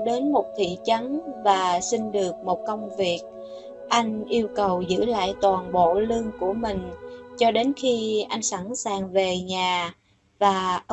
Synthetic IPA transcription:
ɗe˨˦nmo˨˩t̚t̪ʰḭ˧˨t͡ɕə˨˦nvaː˨˩sï˧ŋ̟ɗɨ˨˩ək̚mo˨˩t̚kə˧wŋ͡mvi˨˩ək̚ | ʔa˧jŋ̟ʔi˧əwkə˨˩wzɨ̰˧˥la̰ː˧˨jt̪waː˨˩nɓo̰˧˨lɨ˧əŋku˧˩əmï˨˩ŋ̟t͡ɕɔ˧ɗe˨˦nxi˧ʔa˧jŋ̟sa˧˩nsaː˨˩ŋve˨˩ɲaː˨˩ | vaː˨˩ʔ

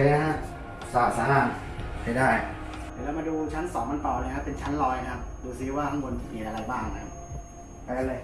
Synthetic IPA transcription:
n˦˩a˦˥ | sɔː˨˩p̚saː˨˦maː˥˩m | ha˥˩daː˥˩j | t̪iː˨˩lɛː˦˥wmaː˧duː˧t͡ɕʰa˦˥nsɔː˩˦ŋma˧nt̪ɔː˨˩lːjkʰa˦˥pːe˧nt͡ɕʰa˦˥nlɔː˧ja˧kʰa˦˥p̚duː˧siː˦waː˥˩t̪ʰa˦˥ŋbo˧npi˨˩nʔa˧ɾa˧jbaː˥˩ŋna˦˥kʰa˦˥p̚ | a˧˩ka˧lɤː˧j

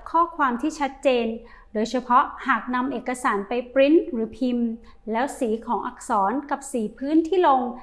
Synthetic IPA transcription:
kʰɔː˥˩kʰwaː˧mt̪ʰiː˥˩t͡ɕʰa˦˥t̪̚t͡ɕeː˧n | doː˧jt͡ɕʰa˧pʰɔ˦˥ʔhaː˨˩k̚na˧mʔeː˨˩kːa˧saː˩˦npa˧jpɾi˦˥nɾɯː˩˦pʰi˧m | lɛː˦˥wsiː˩˦kʰɔː˩˦ŋʔa˨˩k̚sɔː˩˦nka˨˩p̚siː˨˩pʰɯː˦˥˨nt̪ʰiː˥˩lo˧ŋ

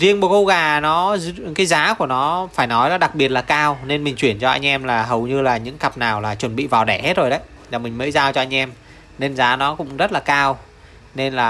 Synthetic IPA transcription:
zi˧əŋɓu˨˩kə˧wɣaː˨˩nɔ˨˦zkaː˨˦jzaː˨˦ku˧˩ənɔ˨˦faː˧˩jnɔ˨˦jnɔ˨˦ɗa˨˩k̚ɓi˨˩ət̚laː˨˩kaː˧wne˧nmï˨˩ŋ̟t͡ɕwi˧˩ənt͡ɕɔ˧ʔa̰˧jŋ̟ʔɛ˧mlaː˨˩ɦə˨˩wɲɨ˧laː˨˩ɲɨ̰˧˥ŋka˨˩p̚naː˨˩wlaː˨˩t͡ɕwə˨˩nɓḭ˧˨vaː˨˩wɗɛ˧˩he˦˥t̚zo˨˩jɗə˨˦j | laː˨˩mï˨˩ŋ̟mə̰ː˨˧˦jzaː˧wt͡ɕɔ˧ʔa˧ŋʔɛ˧m | ne˧nzaː˨˦nɔ˨˦kʊ̰˧˥ŋ͡mzə˦˥t̚laː˨˩kaː˧w | ne˧nlaː˨˩

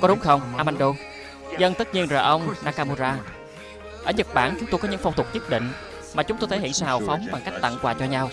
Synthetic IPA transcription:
kɔ˨˦ɗʊ˨˦ŋ͡mxə˧wŋ͡mʔaː˧ma˧nɗo˧ | zə˧nt̪ɨ˦˥t̚ɲi˧ənzəː˨˩ʔə˧wŋ͡mnaː˧ka˧mu˧zaː˧ | ʔəː˧˩ɲə˨˩t̚ɓaː˧˩nt͡ɕʊ˨˦ŋ͡mt̪o˧jkɔ˨˦ɲɨ̰˧˥ŋfɔ˧wŋ͡mt̪ʰʊ˨˩k̚ɲə˦˥t̚ɗḭ̈˧˨ŋ̟ | maː˨˩t͡ɕʊ˨˦ŋ͡mt̪o˧jt̪ʰə˨˦ḭ˧˨ənsɨ̰˧hɦaː˨˩wfa˨˦wŋ͡mɓa˨˩ŋka˦˥jk̚t̪a̰˧˨ŋkwaː˨˩t͡ɕɔ˧ɲa˧w

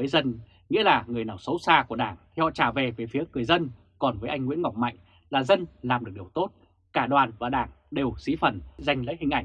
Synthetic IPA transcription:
vəː˨˦jzə˧n | ŋḭ˧˥əlaː˨˩ŋɨ˨˩əjnaː˧˩wsə˨˦wsaː˧ku˧˩ə˦ɗaː˧˩ŋt̪ʰi˨˩hɔ̰˧˨t͡ɕaː˧˩ve˨˩veː˨˩jfi˨˦əŋɨ˨˩əjzə˧n | kɔ˨˩nvəː˨˦jʔjŋ̟ŋwḭ˧˥ənŋɔ˨˩wk͡p̚ma̰˧˨jŋ | laː˨˩zə˧nlaː˨˩mɨ˨˩ək̚ɗi˨˩əwt̪o˦˥t̚ | kaː˧˩ɗwaː˨˩nvaː˨˩ɗaː˧˩ŋ | ɗe˨˩wsi˨˦fə˨˩nza˧jŋ̟lə̰˧˥jhï˨˩ŋ̟ʔa˧˩jŋ̟

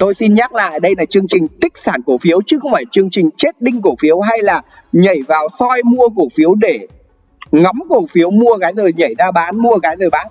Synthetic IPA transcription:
t̪o˧jsi˧nɲaː˦˥k̚la̰ː˧˨jɗə˧jlaː˨˩t͡ɕɨ˧əŋt͡ɕï˨˩ŋ̟t̪ï˦˥k̟̚saː˧˩nku˧˩fi˨˦əwt͡ɕɨ˨˦xə˧wŋ͡mfaː˧˩t͡ɕɨ˧əŋt͡ɕï˨˩ŋ̟t͡ɕe˦˥t̚ɗï˧ŋku˧˩fi˨˦əwɦa˧jlaː˨˩ | ɲə˧˩jvaː˨˩wsɔ˧jmu˧əko˧˩fi˨˦əwɗe˧˩ | ŋɔ˨˦mko˧˩fi˨˦əwmu˧əɣaː˨˦jzəː˨˩jɲə˧˩jzaː˧ɓaː˨˦nmu˧əɣaː˨˦jzəː˨˩ɓaː˨˦n

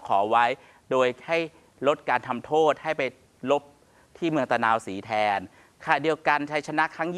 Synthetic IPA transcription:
kʰɔː˩˦wa˦˥j | doː˧jha˥˩j | ɾo˦˥t̪̚kaː˧nt̪ʰa˧mt̪ʰoː˥˩t̪̚ha˥˩jpa˧j | lo˦˥p̚ | t̪ʰiː˥˩mɯ˧əŋt̪a˧naː˧wsiː˩˦t̪ʰɛː˧n | kʰaː˨˩di˧əwka˧nt͡ɕʰa˦˥jt͡ɕʰa˧na˦˥ʔkʰɾa˦˥ŋj

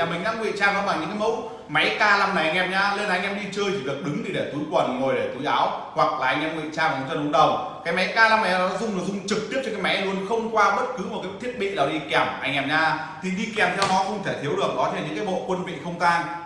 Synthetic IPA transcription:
a˨˩mï˨˩ŋ̟ɗaː˧ŋwḭ˧˨t͡ɕaː˧ŋkɔ˨˦ɓaː˨˩ɲɨ̰˧˥ŋkaː˨˦mə̰˧˥w | ma˨˦jkaː˧la˧mna˨˩a˧ŋʔɛ˧mɲaː˧le˧nʔa˧jŋʔɛ˧mɗi˧t͡ɕəː˧jt̪ʰi˧˩ɗɨ˨˩ək̚ɗɨ˨˦ŋt̪ʰi˨˩ɗe˧˩t̪u˨˦jkwə˨˩nŋo˨˩jɗe˧˩t̪u˨˦jʔaː˨˦whwa˨˩k̚laː˨ʔa˧jŋ̟ʔɛː˧mŋwḭ˧˨t͡ɕaː˧n˨˩˨t̪ə˧˩˨ʊ˨˧˦ɗə˨˩wŋ͡mkaː˨˦jma˨˦jkaː˧la˧mna˨˩˨ɔ˨˧˦zʊ˧ŋ͡mnɨ˨˩zʊ˧ŋ͡mt͡ɕɨ˨˩k̚t̪i˦˥p̚t͡ɕɔ˧kaː˨˦jma˨˦lu˧ənxə˧wŋ͡mkwaː˧ɓə˦˥t̚kɨ˨˦m˨˩t̚kaː˨˦t̪ʰi˦˥t̚ɓḭ˧˨ɗa˨˩ɗi˧kɛ˨˩mʔa˧jŋ̟ʔɛ˧mɲaː˧ | t̪ʰi˨˩ɗi˧kɛ˨˩mt̪ʰɛ˧wnɔ˨˦xə˧wŋ͡mt̪ʰe˧˩t̪ʰi˨˦əwɗɨ˨˩ək̚ɗɔ˨˦t͡ɕ̪ʰe˧˩nɲɨ̰˧˥ŋkaː˨˦jɓo̰˧˨kwə˧nvḭ˧˨xə˧wŋ͡mzaː˧n

